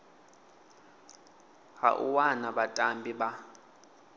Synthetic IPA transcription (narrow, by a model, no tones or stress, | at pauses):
ha̰ʔṵwanaɓatʼambʱiɓa